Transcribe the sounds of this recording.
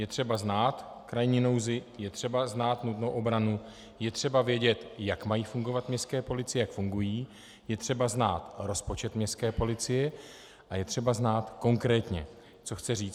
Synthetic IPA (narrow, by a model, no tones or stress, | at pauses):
jɛt̪r̥ɛbaznaːt̪kɾajɲino̞wzɪjɛt̪r̥ɛbaznaːt̪nut̪nowʔo̞bɾanu | jɛt̪r̥ɛbavjɛɟɛt̪jakmajiːfuŋɡo̞vat̪mɲɛskɛːpo̞lɪt͡sɪjɛjakfuŋɡujiː | jɛt̪r̥ɛbazna̰ːt̪ɾo̞spo̞t͡ʃɛt̪mɲɛskɛːpo̞lɪt͡sɪjɛ | ʔajɛt̪r̝̥ɛbaznaːt̪ko̞ŋkɾɛːt̪ɲɛ̰ | t͡so̞xt͡sɛriːt͡s